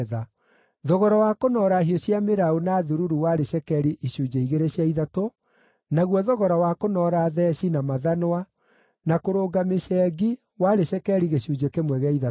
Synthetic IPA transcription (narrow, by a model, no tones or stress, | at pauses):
ða | ðɔɣɔɾɔwakonɔɾaɦiɔɕjameɾaonaðuɾuɾuwaɾeɕɛkɛɾiʔiɕud͡ʒeiɣeɾeɕjaiðato | naɣwɔðɔɣɔɾɔwakonɔɾaðɛɕinamaðanowa | nakoɾoːɡameɕɛːɡi | waɾeɕɛkɛɾiɣeɕuːd͡ʑekemwɛɣɛiða